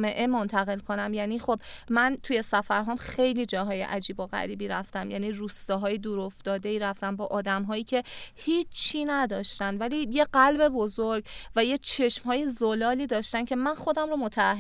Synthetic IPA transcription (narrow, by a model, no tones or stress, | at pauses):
me̞ʔe̞mont̪ʰæɣe̞lkʰo̞næmjæniːxo̞b̥mænt̪ʰuje̞sæfæɾɦɒːmxe̞jliːd͡ʒɒːɦɒːjḛʔæd͡ʒiːboɣæ̰ɾiːbiːɾæft̪æmjæ̰ːniːruːst̪ɒːɦɒːjed̪uːɾo̞ft̪ɒːd̪e̞iːɾæft̪æmbɒːʔɒːd̪æmɦɒːjiːcʰe̞hiːt͡ʃʰːiːnæd̪ɒːʃt̪ænd̪væliːje̞ɢælbe̞bo̞zoɾɡvæjet͡ʃʰe̞ʃmɦɒːjezolɒːliːd̪ɒːʃt̪æncʰe̞mænχo̞d̪æmromo̞t̪ʰæːhɦ